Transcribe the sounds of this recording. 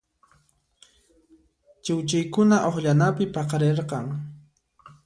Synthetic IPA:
t͡ʃɪwt͡ʃajkʊnaʔoχʎanapɪpɑqɑɾeɾqɑŋ

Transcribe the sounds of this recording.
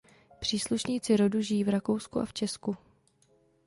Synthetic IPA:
pr̝̥iːsluʃɲiːt͡sɪɾo̞duʒɪjiːvɾakowskuʔa̰ft͡ʃɛsku

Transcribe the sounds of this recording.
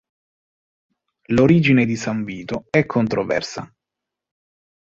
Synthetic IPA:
loɾiːd͡ʒined̪isaɱviːt̪oɛkʰːont̪ɾovɛ̰rsa̰

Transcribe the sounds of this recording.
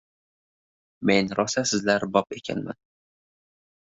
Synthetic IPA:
me̞nɾɒsasɪzlaɾbɒpe̞kʲʰa̰nma̰n

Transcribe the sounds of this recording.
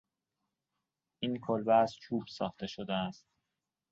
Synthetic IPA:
ʔiːnkʰolvæzt͡ʃʰuːb̥sɒ̰ːχt̪e̞ʃod̪eæst̪̚

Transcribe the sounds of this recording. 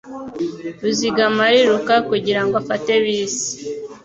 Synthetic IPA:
ɾuziɡamaɾiɾukakuɟiɾaŋɡofate̞βiːsi̥

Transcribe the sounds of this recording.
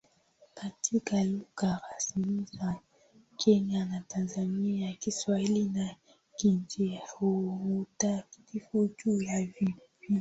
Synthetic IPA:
katʰikaluɣakasimiza | kʰɛɲanatanzaniakiswahilina | kind͡ʒiuutaki̥tifud͡ʒujavipi

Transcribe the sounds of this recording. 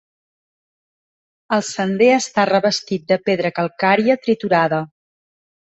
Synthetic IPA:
əlˠsənd̪eəst̪arəβəst̪it̪̚d̪əpeðɾəkəlˠkaɾiət̪ɾit̪uɾaðə

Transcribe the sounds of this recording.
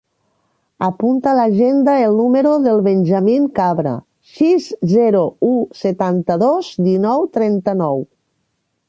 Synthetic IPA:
apunt̪alaʒend̪aelˠnumeɾoðelˠβenʲʒamiŋkaβɾa̰ | sizzɛɾouset̪ant̪əðozd̪inɔwt̪ɾɛnt̪ənɔw

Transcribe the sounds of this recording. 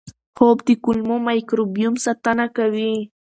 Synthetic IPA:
hop̚t̪ɪkʊlmomajkɾobijʊmsat̪anakawi

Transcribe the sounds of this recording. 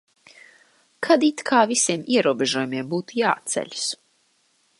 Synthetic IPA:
kʰad̪it̪kʰaːvisʲiɛmiɛɾuɔbʲeʒuɔjumiɛmbuːt̪ujaːt̪sɛ̰ʎʲu̥s

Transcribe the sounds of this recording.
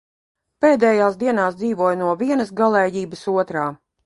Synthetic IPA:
peːd̪ɛːjaːsd̪iɛnaːsd̪ziːvuɔjnuɔviɛnəsɡalˠɛːjiːbəsuɔt̪ɾaː

